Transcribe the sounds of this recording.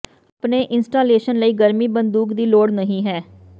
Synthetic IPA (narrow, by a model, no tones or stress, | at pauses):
əpneːʔɪnsʈaːleːʃənləiːɡəɾmiːbənd̪uːkd̪iːloːɽnəɦĩːɦɛː